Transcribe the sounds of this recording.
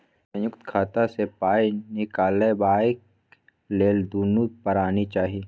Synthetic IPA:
sɐ̃jʊkt̪kʰaːt̪asepaːinɪkaːlebaːɪk | leːld̪uːnupɐɾaːnit͡ʃaːɦie

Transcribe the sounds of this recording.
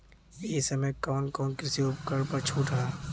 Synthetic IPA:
eːsəmẽkɔːnkɔːnkɪsiopkəɽpəɾt͡ʃʰuːʈʰɦaː

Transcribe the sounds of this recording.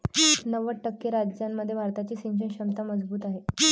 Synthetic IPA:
nəʋəʈːəkːeɾad͡ʑjamːəd̪ʱjebʱaɾt̪at͡ɕiːsiŋd͡ʑəɳɕəmt̪aməd͡zbuːt̪aɦe

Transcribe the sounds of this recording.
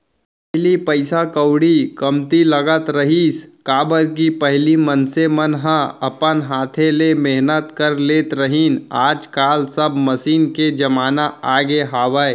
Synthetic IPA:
pɦlipəɪsakəwɽikɐmt̪iləɡət̪ɾəɦiːskaːbəɾk̬ipɐɦlimənsemənɦãɐpənɦaːt̪ʰẽlemeɦnət̪kəɾleːt̪ɾəɦiːnaːd͡ʒkaːlsɐbməsiːnked͡ʒɐmaːnaaːɡeɦaːʋəe

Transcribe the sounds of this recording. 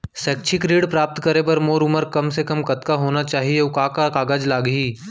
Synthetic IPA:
sɛːk̚t͡ʃʰɪkɾiːɽpɾaːp̚t̪kɐɾep̬ɐɾmoːɾʊməɾkɐmsekɐmkɐt̪kaɦoːnat͡ʃaːɦieʊkaːkakaːɡaːd͡ʒlaːɡɦiː

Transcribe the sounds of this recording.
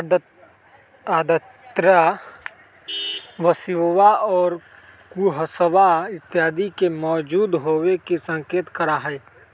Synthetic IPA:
aːd̪ət̪ɾa | ʋəsɪʋʋaɔːɾ | kuːɦəsəʋaɪt̪ːɪjaːd̪ikemɔːd͡ʒuːd̪ɦoːwekisɐ̃ŋkeːt̪kɐɾaɦɛː

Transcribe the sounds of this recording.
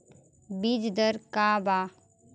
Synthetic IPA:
bid͡ʒd̪əɾkaːbaː

